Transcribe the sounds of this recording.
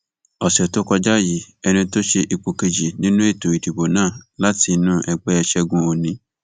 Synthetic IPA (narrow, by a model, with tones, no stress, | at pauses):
ɔ˨sɛ˨to˦kɔ˧d͡ʒa˦˨ji˨ | ɛ˧nĩ˧˦to˦ʃe˧ʔi˨k͡po˨ke˧d͡ʒi˨nĩ˦nũ˦e˦˨to˨i˨di˨bo˨nãː˦˨la˦ti˧˦nũ˦ʔɛ˨ɡ͡bɛ˦ɛ˨ʃɛ˧ɡũ˦o˨nĩ˦